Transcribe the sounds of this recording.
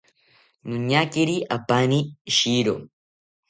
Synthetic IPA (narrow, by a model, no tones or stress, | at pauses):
nʊɲːaːkɪɾiʔɐbːaːniʃiːɾo̰